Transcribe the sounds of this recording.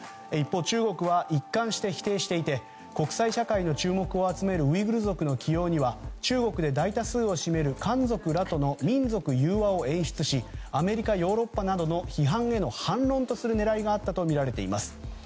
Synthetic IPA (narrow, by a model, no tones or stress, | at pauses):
ipːo̞ːt͡ɕɨːɡo̞kɯ̟βaʔikːãɰ̃ɕi̥t̪e̞çi̥t̪e̞ːɕi̥t̪e̞it̪e̞ | ko̞kɯ̟̥saiɕakaino̞t͡ɕɨːmo̞kɯ̟o̞at͡sɨme̞ɾɯ̟ɯ̟iɡɯ̟ɾɯzo̞kɯ̟no̞kʲijo̞ːɲ̟iβat͡ɕɨːɡo̞kɯ̟d̪e̞d̪ait̪asɨːo̞ɕime̞ɾɯ̟kãnd͡zo̞kɯ̟ɾat̪o̞no̞mʲĩnd͡zo̞kɯ̟jɯːβao̞ẽ̞ɰ̃ɕi̥t͡sɨɕiame̞ɾʲikajo̞ːɾo̞pːanad̪o̞no̞çiɦãɰe̞no̞hãnɾõ̞nt̪o̞sɨɾɯ̟ne̞ɾaiɡaːt̪ːat̪o̞mʲiɾaɾe̞t̪e̞̰ḭmasɨ̥